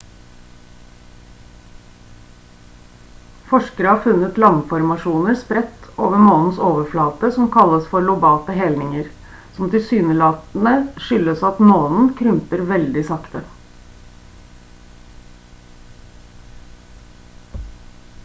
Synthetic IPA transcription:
fɔʂkəɾəhɑːɾfʉnːət̪lɑŋfɔɾmɑʂuːnəɾspɾɛt̪ːoːʋəmoːnn̩soːʋəflɑːt̪əsɔmkʰɑlːəsfɔɾɭʊbɑːt̪əɦɛlnɪŋəɾ | sɔmt̪ɪlsyːnəlɑːt̪n̩əʂʏlːəsɑt̪moːnn̩kʰɾʉmpəɾʋɛld̪ɪsɑkt̪ə

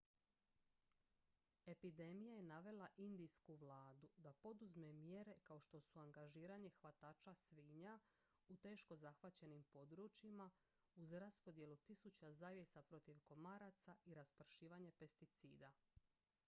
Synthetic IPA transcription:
e̞pid̪e̞mijaje̞naʋe̞lˠaʔind̪ijskuʋlˠaːd̪ud̪apo̞d̪uzme̞mje̞ɾe̞kao̞ʃt̪o̞suaŋɡaʒiːɾaɲe̞xʋat̪aːt͡ʃasʋiːɲa | ut̪e̞ːʃko̞zaxʋat͡ɕe̞nimpo̞d̪ɾut͡ʃima | uzɾaspo̞d̪je̞lut̪isut͡ɕazaːʋje̞sapɾo̞t̪iʋko̞maɾat̪saiɾaspr̩ʃiːʋaɲe̞pe̞st̪it̪siːd̪a

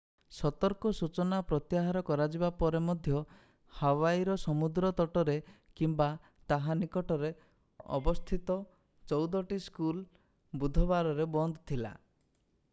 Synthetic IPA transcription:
sɔt̪ɔɾkɔsut͡ʃɔnapɾɔt̪jaɦaɾɔkɔɾad͡ʒibapɔɾemɔd̪ʱjɔ | hawaiɾɔsɔmud̪ɾɔt̪ɔʈɔɾe | kimba | t̪aɦanikɔʈɔɾe | ɔ̰bɔst̪ʰit̪ɔ | t͡ʃɔwd̪ɔʈiskul | bud̪ʱɔbaɾɔɾebɔnd̪ɔt̪ʰila̰

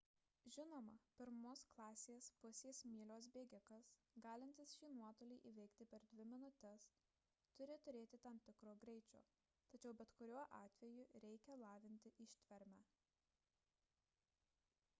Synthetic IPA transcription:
ʒʲɪnoːmɐpʲɪɾmoːsklˠɑːsʲeːspʊsʲeːsmʲiːlʲoːs̬bʲeːɡʲɪkɐs | ɡɑːlʲɪnʲt̪ʲɪsʃʲiːnuɔt̪oːlʲiːʔiːʋʲɛɪkt̪ʲɪpʲɛɾd̪ʲʋʲɪmʲɪnʊt̪ʲɛs | t̪ʊɾʲɪt̪ʊɾʲeːt̪ʲɪt̪ɐmt̪ʲɪkɾoːɡɾʲɛɪt͡ʃʲo̰ː | t̪ɐt͡ʃʲɛʊbʲɛt̪kʊɾʲuɔʔɑːt̪ʲʋʲɛjʊɾʲɛɪkʲɛlˠɑːʋʲɪnʲt̪ʲɪʔɪʃʲt̪ʲʋʲɛɾʲmʲæː

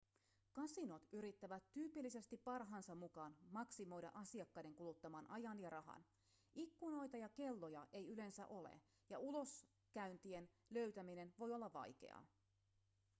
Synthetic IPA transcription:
kɑsino̞t̪yɾit̪ːæʋæt̪ːyːpilːise̞st̪ipːɑrɦɑːnsɑmmukɑːnmɑksimo̞jdɑ̰ʔɑsiɑkːɑjde̞ŋkulut̪ːɑmɑːnʔɑjɑnjɑɾɑɦɑ̰n | ikːuno̞jt̪ɑjɑke̞lːo̞jɑʔe̞jyle̞nsæ̰ʔo̞lḛ | jɑulo̞s | kæynt̪ie̞n | lø̞ɥt̪æmine̞nʋo̞jo̞lːɑʋʋɑ̰jk̟e̞̰ɑ̰

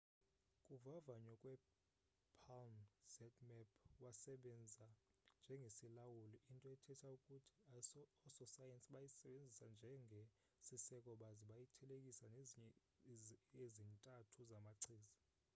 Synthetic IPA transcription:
kʼuvavaɲɔkʼwɛ | pʰalnz̥ɛtʰʼmɛpʰwasɛɓɛnd͡zʱand͡ʒʱɛŋɡʱesilawuliʔintʼɔɛtʰɛtʰaukʼutʰi̥ɔsɔsajɛnsʼiɓajisɛɓend͡zʱisand͡ʒʱɛŋʱe | sisɛkʼɔɓaziɓajitʰɛlekʼisan | ezintʼatʰuzamaǀʰiːzi

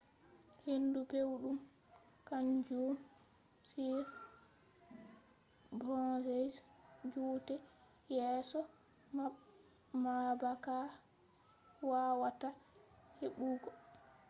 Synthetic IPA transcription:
hendupewɗum | kand͡ʒum | siɾ | bɾɔ̃zɛs | d͡ʒuːtɛ | jɛːsɔ | ma | mabaka | waːwata | heɓuːɡɔ

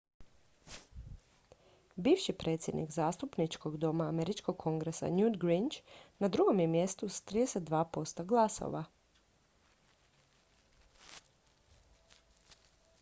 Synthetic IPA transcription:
biːʋʃipɾʔe̞t̪sʲje̞d̪nḭɡzaːst̪upnit͡ʃko̞ɡd̪o̞maːmeɾit͡ʃko̞ɡkʰo̞ŋɡɾesa̰njud̪ɡɾint͡ʃnad̪ɾuɡo̞mjemje̞st̪usḁt̪ɾid̪eset̪̚d̪ʋaːpo̞st̪oɡlˠaso̰ʋa

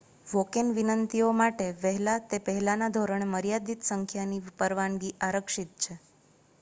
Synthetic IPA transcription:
ʋokenʋinənt̪iomaʈeʋəɦɛlat̪epəɦɛlanad̪ʱoɾəɳməɾjad̪it̪səŋkʰjanipəɾʋanɡiʔaɾəkʃit̪̚t͡ʃʰe

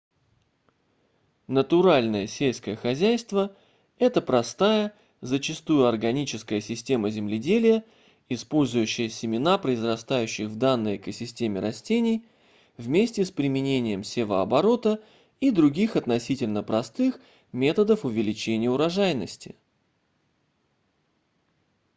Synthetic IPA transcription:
nət̪ʊɾalʲnəjəsʲelʲskəjəxɐzʲæjst̪və | ɛt̪əpɾɐst̪ajə | zət͡ɕɪst̪ujʊɐrɡɐnʲit͡ɕɪskəjəsʲɪsʲtʲe̞məzʲɪmlʲɪdʲelʲɪjə | ɪspo̞lʲzʊjʉɕːɪjəsʲɪmʲɪnapɾəɪzrɐst̪ajʉɕːɪxvd̪anːəjɛkəsʲɪsʲtʲemʲɪɾɐsʲtʲenʲɪj | vmʲesʲtʲɪspɾʲɪmʲɪnʲenʲɪjəmsʲevəɐ̰bɐɾo̞t̪ə | id̪ɾʊɡʲixɐt̪nɐsʲitʲɪlʲnəpɾɐst̪ɨx | mʲe̞t̪əd̪əfʊvʲɪlʲɪt͡ɕenʲɪjəʊɾɐʐajnəsʲtʲɪ̰

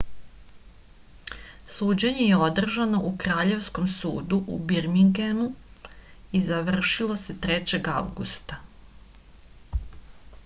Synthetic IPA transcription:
suːd͡ʑe̞ɲe̞jeo̞d̪r̩ʒano̞ʔukɾaːʎe̞ʋsko̞msṵːd̪uʔṵbiɾmiŋɡenu | izaʋr̩ʃilˠo̞se̞t̪ɾet͡ɕe̞ɡa̰ʋɡṵst̪a

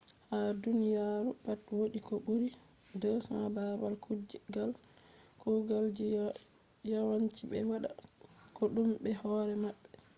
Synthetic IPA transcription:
hadunijaɾupatwoɗikɔɓuɾi | dɔsababalkud͡ʒɡal | kuɡald͡ʒi | jawant͡ʃiɓɛ̰waɗa̰kɔɗumbɛhɔɾɛmaɓːɛ

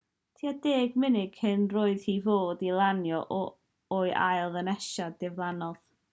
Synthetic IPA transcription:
tʰiːadeːɡmɪnɪɡ̥hɪnroːɨð̥hivoːdilˠanjɔʔɔ | oɨʔa̰jlˠðənɛʃadɪvlˠanɔð

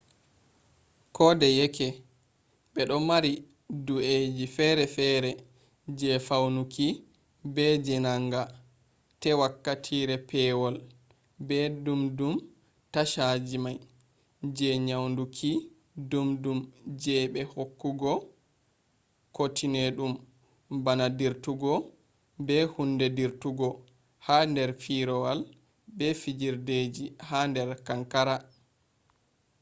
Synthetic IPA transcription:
kʰɔːdɛjɛkʰɛ | ɓɛɗɔmaɾi | dued͡ʒifɛɾɛfɛɾɛ | d͡ʒɛfawnuki | bɛd͡ʒɛnaŋɡa | tɛwakːatʰiːɾɛpʰɛwɔl | bɛdumdum | taʃad͡ʒimaj | d͡ʒɛɲawndukʰi | dumdumd͡ʒɛɓɛhokːuɡɔ | kotʰineɗum | banadiɾtuɡɔ | bɛhundɛdiɾtuɡɔ | handɛɾfiɾɔwal | bɛfid͡ʒiɾded͡ʒihandɛɾkaŋkaɾa

